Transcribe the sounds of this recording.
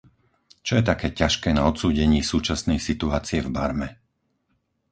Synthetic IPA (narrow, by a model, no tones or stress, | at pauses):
t͡ʃɔjɛt̪akɛːcaʃkɛːnaɔt̪suːɟɛɲiːsuːt͡ʃasnɛjsit̪uaːt͡siɛvbaɾmɛ